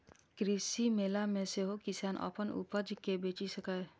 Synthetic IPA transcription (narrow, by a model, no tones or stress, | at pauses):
kɾisimeːlamẽseɦokisaːnʔɔ̰ːpənṵpəd͡ʒkebeːt͡ʃisɐkae